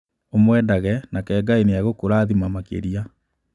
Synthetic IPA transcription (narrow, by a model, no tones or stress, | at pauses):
omwɛːdaɣɛnakɛːɡaineaɣokoɾaːðimamakḛɾia